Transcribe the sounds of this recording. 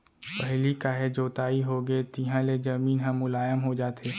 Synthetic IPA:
pəɦlikaːɦed͡ʒoːt̪aːiɦoɡeet̪ɪɦãled͡ʒɐmiːnɦə̃mːʊlaːjəmɦod͡ʒaːt̪ʰeː

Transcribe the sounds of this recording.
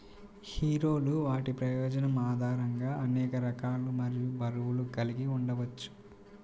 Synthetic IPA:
hiːɾoːluʋaːʈipɾɐjɔːd͡ʒɐnɐmaːd̪ʱaːɾɐŋɡaːɐnɛːkɐɾɐkaːlumɐɾijubʱɐɾuwuluɡɐliɡiuɳɖɐʋɐt͡ʃːu̥

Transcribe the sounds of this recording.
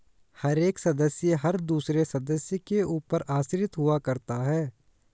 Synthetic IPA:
hɐɾeːksɐd̪əsjəɦɐɾd̪uːsɾesɐd̪əsjəkeuːpəɾaːsɾɪt̪ɦʊakɐɾt̪aɦɛː

